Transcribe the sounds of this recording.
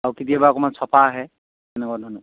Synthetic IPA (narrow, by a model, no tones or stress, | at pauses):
awkitiabaɔkɔmansɔpʰaːɦɛ | ɛnɛkɔadʱɔnɔ